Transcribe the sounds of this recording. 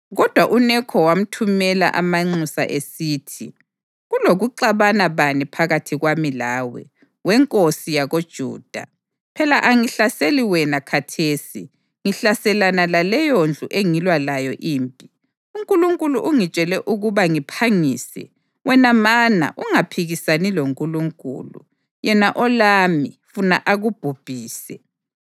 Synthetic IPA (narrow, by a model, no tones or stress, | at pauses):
ɣɔd̥ʱwaʔunɛkʰɔwam̩tʰumɛla̰ʔamaŋ͡ǀusa̰ʔesiːtʰi | ɣuloɣuǃaβanaβanipʰaɣatʰiɣwamilaːwɛ̰ | wɛŋkʼosijaɣod̥ʒ̥ʱṵːd̥ʱa̰ | pʰɛlaʔaŋiɬaseliwɛnakʰatʰeːsi | ŋiɬasɛlanalalɛjond͡ɮʱuʔeŋilwalajɔʔiːmpʼi | uŋkʼuluŋkʼuluʔuŋi̥t͡ʃʼɛlɛʔuɣuβaŋipʰaŋiːsɛ̰ | wɛnamana̰ʔuŋapʰiɣisaniloŋkʼuluŋkʼṵːlṵ | jɛnaʔɔlamifuna̰ʔaɣub̥ʱub̥ʱiːsɛ